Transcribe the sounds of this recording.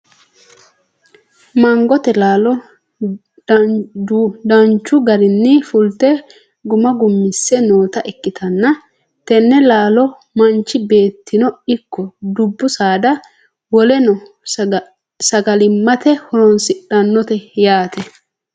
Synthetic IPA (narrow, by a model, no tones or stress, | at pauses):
mɐŋɡɔt̪ɛlaːlɔ | d̪ɐnt͡ʃːʊɡɐɾɪnːɪfʊlt̪ɛ | ɡʊmɐɡʊmːɪsːɛno̞ːt̪ɐʔɛkːɪt̪ʰɐnːɐ | t̪ɛnːɛlaːlɔ | mɐnt͡ʃːɪbe̞ːt̪ʰːɪnɔɪkːɔd̪ʊbːʊsaːd̪ɐ | wɔlɛnɔ | sɐɡɐlɪmːɐt̪ɛhɔɔnsɪᶑɐnːɔt̪ɛjaːt̪ɛ